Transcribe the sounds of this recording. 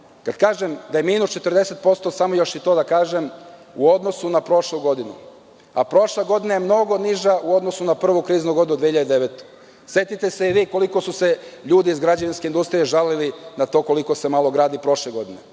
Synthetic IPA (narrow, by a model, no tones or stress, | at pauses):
kad̪kaːʒemd̪aje̞minust͡ʃe̞t̪r̩d̪e̞se̞t̪̚po̞tst̪o̞samojo̞ʃit̪o̞ːd̪akaːʒem | uo̞d̪no̞sunapɾo̞ʃlˠuɡo̞d̪inṵ | a̰pɾo̞ʃleɡo̞d̪inejemno̞ɡo̞niʒaʔuo̞d̪nosunapr̩ʋukɾiːznuɡo̞d̪inud̪ʋeːçiʎad̪ed̪eʋet̪o̥ | sje̞t̪it̪e̞seiʋiːko̞liko̞suse̞ʎuːd̪iːzɡɾad͡ʑaʋinskeind̪ust̪ɾije̞ʒalilinat̪o̞ːko̞liko̞se̞malˠo̞ɡɾaːd̪ipɾo̞ʃleɡo̞d̪ine̞